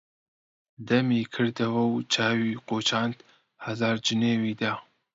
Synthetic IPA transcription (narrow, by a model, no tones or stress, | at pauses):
d̪ɐmiːkʰɨɾd̪ɐwɐwt͡ʃʰaːwiːqoːt͡ʃʰaːnd̪ | hɐzaːɾd͡ʒɨneːwiːd̪a